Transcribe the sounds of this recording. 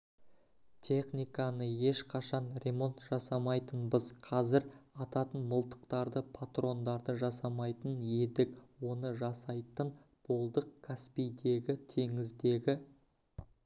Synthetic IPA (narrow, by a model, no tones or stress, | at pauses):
t̪ʲʰe̞χnijkɑnəje̞ʃqʰɑʃɑnrʲe̞mo̞nt̪ʒ̥ɑsɑmɑjt̪ənbəz̥qʰɑzɪɾɑt̪ɑt̪ənməlˠt̪ə̥qt̪ɑɾd̪əpʰat̪ro̞nd̪ɑɾd̪əʒɑsɑmɑjt̪əne̞d̪ɪk̚wo̞nəʒɑsɑjt̪ən | b̥o̞lˠd̪əqkʰːaspijd̪e̞ɡʲɪt̪ʰe̞ŋɪzd̪e̞ɡʲɪ